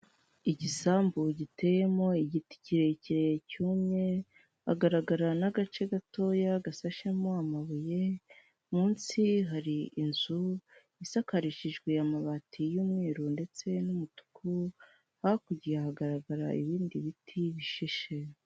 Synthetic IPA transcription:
iɟisaːmbuɟite̞je̞mo̞iɟiti̥ciɾeciɾejcuːmɲe | ha̰ɡaɾaɡaɾanaɡat͡ʃe̞ɡato̞ːjaɡasaʃemo̞amaβuje̞ | muːnsiɦaɾiinzu | isakaɾiʃiʒɡweamaβatʰijuːmŋiːɾunde̞t͡se̞numutu̥kʰu | hakuɟijahaɡaɾaɡaɾa̰iβiːndiβitʰiβiʃiʃe

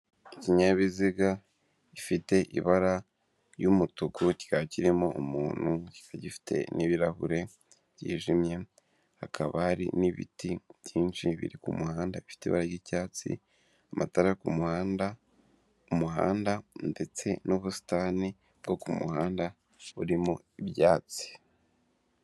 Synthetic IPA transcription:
iciɲaβiziɡa | ifite̞ʔḭβaɾa | jumutukuci̥kaciɾimoʔumuːn̥huci̥kaɟifi̥tʰe̞̰niβiɾahuɾe̞ | bjḭːʒimje̞ | ha̰kʰaβahaɾḭniβḭtibjiːnʃiβḭɾikumuhaːndaβifi̥teiβa̰ɾaɾɡiːcaːt͡sḭ | amʔataɾejokumuhaːnda | umuɦa̰ːndande̞t͡se̞nuβusi̥taːni | bɡo̞kumṵhaːnda | uɾimo | iβjaːt͡si̥

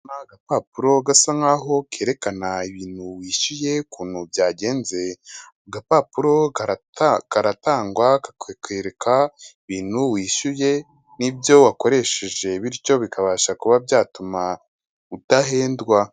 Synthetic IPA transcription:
maɡapaːpuɾo̞ɡasaŋaːɦo̞ke̞ːɾe̞kanaiβiːn̥huwiːʃuje̞kuːnubjaːɟe̞ːnze̞ | ɡapapuɾo̞ | kaɾataːŋɡwakkeɾekʰaiβiːn̥huwiːʃuje̞ | nibjo̞wako̞ɾe̞ʃe̞ʒe̞βiɾico̞βikʰaβaːʃakuβabjaːtuma | utaɦe̞ːndɡwa

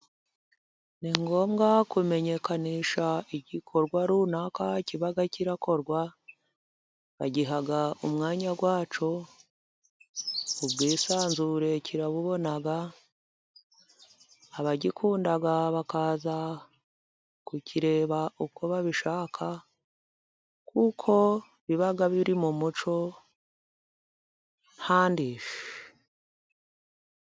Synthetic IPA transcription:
niŋɡo̞ːmɡakuβime̞ɲe̞kaniːʃaiɟikʰo̞ɾɡwaɾunakaciβaɡaciɾako̞ɾɡwa | βa̰ɟiɦaɡaumŋaːɲaɡwaːt͡ʃo̞ | ubɡiːsaːnzuɾe̞cʰiɾaβuβo̞naɡa | βaɟikʰuːndaɡaβakaːza | kucʰiɾe̞ːβaʔuko̞βaβiʃaːkʰa | kʰukʰo̞ | βiβaɡaβiɾimumut͡ʃo̞ | n̥haːndifi

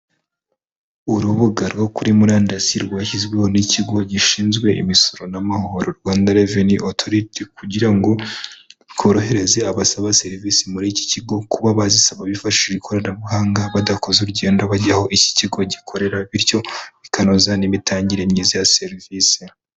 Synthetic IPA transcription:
uɾuβuɡaɾɡo̞kuɾimuɾaːndasiɾɡwaːçizɡwe̞ho̞niciɡo̞ɟiʃiːnzɡwe̞ʔḭmiso̞ɾo̞namahoo̞ɾoɾɡwaːndaɾeviniʔotʰo̞ɾitikuɟiɾaŋɡo̞ | βɡo̞ɾo̞ɦe̞ɾe̞ze̞aβasaβase̞ɾviːsimuɾici̥ciɡo̞kuβaβazisaβaβifaʃʃʃiβikʰo̞ɾanaβuhaːŋɡaβadako̞zuɾɟe̞ːndoβaɟaho̞ʔici̥ciɡo̞ɟikʰo̞ɾe̞ɾaβiɾjo̞βikanozanimitaːɲɟiɾe̞mɲizajase̞ɾvisi

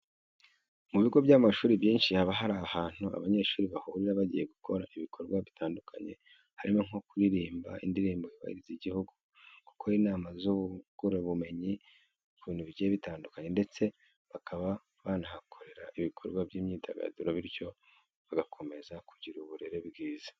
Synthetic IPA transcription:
muβiɡo̞bɟamaʃuːɾiβjiːnʃihaβaɦaɾaːhaːn̥hua̰βaɲe̞ʃuːɾiβahuːɾiɾaβaɟije̞ɡukʰo̞ɾaiβikʰo̞ɾɡwaβitaːndukʰa̰ɲe̞̰ | haɾimo̞ŋ̥o̞kuɾiɾiːmbaḭndiɾiːmboiβa̰hḭɾiziɟihuɡu | ku̥koiːnaːmazuβuɡ̥uɾoβume̞ɲi | kuβiːn̥uβiɟijeβitaːndukaɲe̞nde̞t͡se̞ | βakʰaβa | βaːnahakʰo̞ɾe̞ɾaʔiβikʰo̞̰ɾɡwabɟiːmɲiːda̰ɡa̰duɾoβiɾjo̞ | βaɡakʰo̞me̞zakʰuɟiɾuβuɾe̞ɾebɡiːzḁ

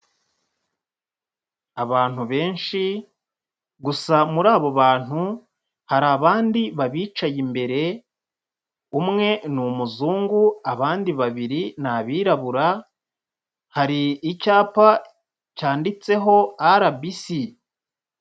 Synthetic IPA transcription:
aβaːn̥huβe̞ːnʃi | ɡusamuɾaːβo̞βaːn̥hu | haɾaβaːndiβaβiːt͡ʃajimbe̞ɾe̞ | umŋe̞numuzuːŋɡuaβaːndiβaβiɾinaβiːɾaβuɾa | haɾiːcaːpa | caːndit͡se̞ɦo̞aɾabisi

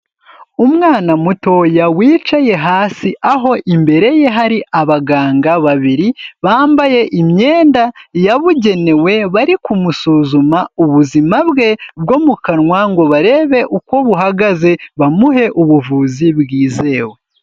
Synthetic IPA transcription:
umŋaːnamuto̞jawiːt͡ʃaje̞ɦaːsiʔaɦo̞ʔimbe̞ɾe̞je̞ɦaɾiʔaβaɡaːŋɡaβaβiɾiβaːmbaje̞ʔimɲe̞ːndajaβuɟe̞ne̞we̞βaɾikumusuzumauβuzimaβɡe̞b̚ɡo̞mukaɾŋwaŋɡo̞βaɾe̞ːβe̞ʔukwo̞βuɦaɡaze̞βamuɦe̞ʔuβuvuːziβɡiːze̞ːwe

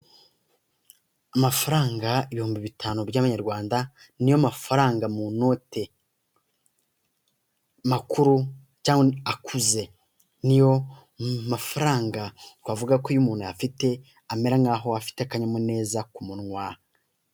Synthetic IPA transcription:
amafaɾaːŋɡaiβihuːmbiβitʰaːnubjɟaːβaɲaɾɡwaːnda | nijomafaɾaːŋɡamuno̞ːte̞ | makuɾu | caːŋɡweakʰuze | nijo̞ | mafaɾaːŋɡatwavuɡakojumuːn̥hujafite̞ | ame̞ɾaŋɡaɦo̞afi̥tekaɲamune̞ːzakumunŋwaː

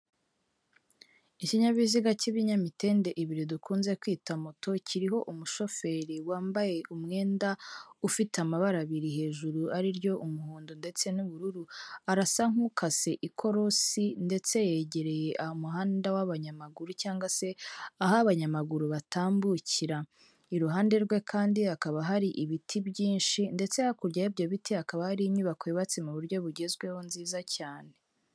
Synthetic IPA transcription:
iciɲaβiziɡaciβiɲamite̞ːnde̞ʔiβiɾidukuːnze̞kwiːtamotʰo̞ciɾiɦo̞ʔumuʃo̞fe̞ːɾiwaːmbaje̞ʔumŋe̞ːndaufitamaβaɾaβiɾihe̞ːʒuɾuaɾiɾjo̞ʔumuhuːndundet͡se̞nuβuɾuɾuaɾasaŋ̥hukʰase̞ʔikʰo̞ɾo̞sinde̞t͡se̞jeɟe̞ɾe̞je̞ʔahomuɦaːndawaβaɲamaɡuɾucaːŋɡwase̞aɦaβaɲamaɡuɾuβataːmbuciɾa | iɾuɦaːnde̞ɾɡwe̞kʰaːndiakaβaɦaɾiʔiβitʰibɟiːnʃinde̞t͡se̞akuɾɟajibɟoβitʰiakaβahaɾiimɲuβakojiβat͡semuβuɾɟo̞βuɟe̞zɡwehonziːzacaːne̞

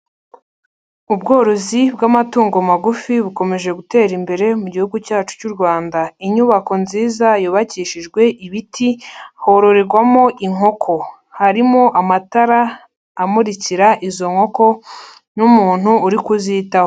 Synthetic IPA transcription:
ubɡo̞ːɾozibɡamatuːŋɡomaɡufiβuko̞me̞ʒe̞ɡute̞ːɾimbe̞ɾe̞muɟihuɡucaːt͡ʃu̥cuɾɡwaːndaiɲuβako̞nziːzajuβaciːʃiʒɡwe̞ʔiβitʰiho̞ɾo̞ɾeɾɡwamo̞ʔiŋo̞kʰo̞ | haɾimo̞ʔamataɾaː | muɾiciɾaʔizo̞ŋho̞ko̞ | numuːn̥huːɾikuzitaho

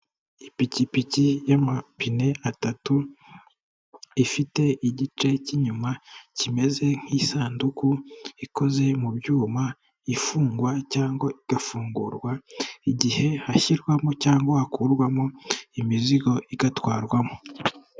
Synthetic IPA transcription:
ipicipicijamapine̞ʔatatu | ifite̞ʔiɟit͡ʃe̞ciɲumacime̞ze̞ŋ̥hiːsaːndukuiko̞ze̞mubjuːma | ifuːŋɡwacaːŋɡoiɡ̥afuːŋɡuɾɡwaiɟihe̞haçiɾɡwamocaːŋɡohakuɾɡwamoimiziɡo̞ʔiɡatwaːɾɡwamo

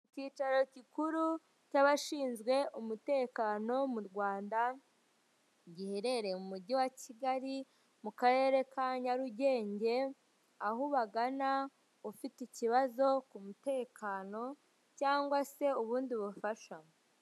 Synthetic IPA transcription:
iciːt͡ʃaɾo̞cikuɾu | caβaʃiːnzɡwe̞ʔumute̞ːkaːno̞muɾɡwaːnda | ɲɟiheɾeɾe̞mumuɾɟiwaciɡaɾi | mukaɾe̞ːɾe̞kaɲaɾuɟe̞ːɲɟe̞ | aɦuβaɡana | ufiticiβazo̞kumute̞ːkʰaːno̞ | caːŋɡwase̞uβuːndiβufaʃa

